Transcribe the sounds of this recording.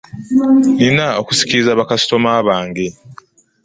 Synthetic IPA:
ninao̞ku̥si̥ciɾizaβakasi̥to̞maβaːŋɡe

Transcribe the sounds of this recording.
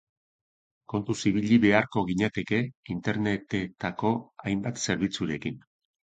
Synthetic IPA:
ko̞nt̪usiβiʎiβe̞aɾko̞ɣiɲat̪e̞ke̞int̪e̞ɾnet̪e̞t̪ako̞ajmbat̪se̞ɾβ̞it͡suɾe̞kin

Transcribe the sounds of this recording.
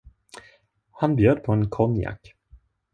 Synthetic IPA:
hanbjøːd̪̚pʰɔɛnkʰɔnja̰kː

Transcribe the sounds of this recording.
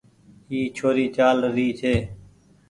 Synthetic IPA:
iːt͡ʃʰoːɾiːt͡ʃaːlɾiːt͡ʃʰeː

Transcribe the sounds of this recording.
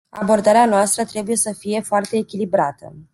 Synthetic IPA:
a̰bo̞rd̪aɾeanoast̪ɾət̪ɾe̞buje̞səfije̞foart̪e̞ːkʲilibɾat̪ə̰

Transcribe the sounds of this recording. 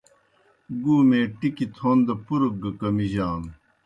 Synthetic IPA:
ɡuːmẽːʈikit̪ʰoːnd̪ɐpuɾuk̚ɡɐkɐmiʑaːn

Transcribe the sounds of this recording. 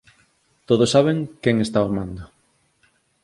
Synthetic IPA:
t̪oðosːaβ̞eŋkɛŋest̪aomãnd̪ʊ

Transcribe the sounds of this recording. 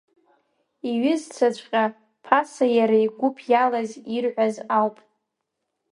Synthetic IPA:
iɥɪzt͡sʷʰat͡ʃʷʼqʲʼa | pʰasajaɾaiɡʷʊpʰjalazirʕʷazawpʼ

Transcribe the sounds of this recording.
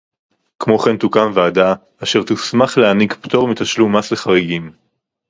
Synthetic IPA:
kmo̞χe̞nt̪ukamveadaː | ʃe̞ʁt̪usmaχleanikpto̞ʁmit̪aʃlumasleχaʁiɡim

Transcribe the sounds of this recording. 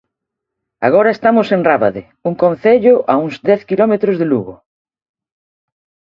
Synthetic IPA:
a̰ɣ̞ɔɾɐest̪amosenraβaðe | uŋkõnθeʎʊʔauŋzd̪ɛθkilɔmet̪ɾʊzðeluɣʊ̰

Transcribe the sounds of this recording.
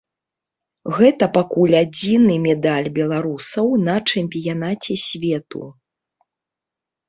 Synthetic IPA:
ɣɛt̪ɐpakulʲad͡zʲinɨmʲɛd̪alʲbʲɛlˠaɾusɐwnɐt͡ʂɛmʲpʲijanat͡sʲɛsʲvʲɛt̪ṵ

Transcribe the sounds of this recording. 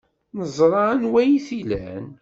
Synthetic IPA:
nəzˤɾˤɑənwæjiθilæn

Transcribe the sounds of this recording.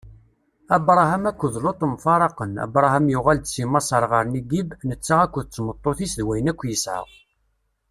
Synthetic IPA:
æbɾˤɑhæmækʷːəðlot̪ˤəmfɑɾˤɑqənæ̰bɾˤɑɦæmjʊʁæld̪t͡sːimɑsˤəɾˤʁəɾniɡibnət͡sːaʁækʷːəðt͡sːmət̪ˤːoθisðwæjənækʷːjəsʕə̰ʁ

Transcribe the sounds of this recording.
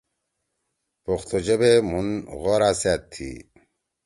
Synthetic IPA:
poχt̪od͡ʑebemunɣoɾasaːt̪ʰːḭ

